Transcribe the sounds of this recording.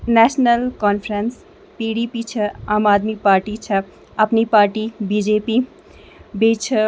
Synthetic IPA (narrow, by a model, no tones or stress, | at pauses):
nɛːsnəlkɔːnpʰɾens | piːɽipit͡ʃʰɐaːmaːd̪mipaːɾʈit͡ʃʰɐ | ɐpnipaːɾʈibiːd͡ʒepi | beːt͡ʃʰə